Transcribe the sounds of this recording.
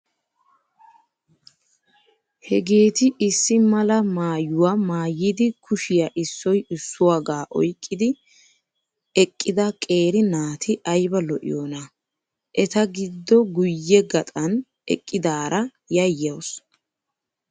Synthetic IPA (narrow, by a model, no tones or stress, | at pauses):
hɛɡe̞ːt̪ɪʔɪsːɪmɐlɐmaːjʊwaːmaːjɪd̪ɪkʰʊʃɪjaʔɪsːɔjɪsːʊwaːɡaːʔɔ̰jkʼːɪd̪ɪ | ɛkʼːɪd̪ɐkʼe̞ːɾɪnaːt̪ʰɪʔɐjbɐlɔʔɪ̰joːnɐ | ʔɛt̪ɐɡɪd̪ːɔɡʊjːɛɡɐt̪ʼɐn | ɛ̰kʼːɪd̪aːɾɐ | jɐjːɐws